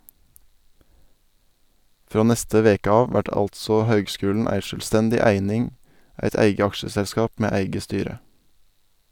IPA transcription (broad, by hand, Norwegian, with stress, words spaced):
ˈfɾoː ˈnɛstə ˈʋeːkə ˈɑːʋ ˈʋæʈ ˈɑltsɔ ˈhøːɡˌskʉːln̩ ˈæɪ ʃœlˈstɛndɪ ˈæɪnɪŋ ˈæɪt ˈæɪɡə ˈɑkʃəsɛlˌskɑːp ˈmeː ˈæɪɡə ˈstyːɾə